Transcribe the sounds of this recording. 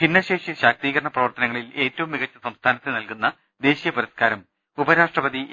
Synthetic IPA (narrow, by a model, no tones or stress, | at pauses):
hinːɐɕe̞ːʂiɕaːk̚t̪iːɣɐɾɐɳɐprɐʋɐrt̪ɐnɐŋːɐɭile̞ːtːɐʋumːiɣɐt͡ɕːɐsɐmst̪ʰaːnɐt̪ːenɐlkunːɐ | d̪e̞ːɕijɐpɐɾɐskaːɾɐm | ubɐɾaːʂʈrɐbɐd̪i